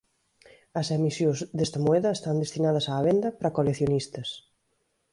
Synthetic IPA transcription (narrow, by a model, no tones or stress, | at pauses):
ɐsemisjõzd̪est̪ɐmoɛðɐest̪and̪est̪inaðɐsaːβend̪ɐpɾɐkoleθjonist̪ɐs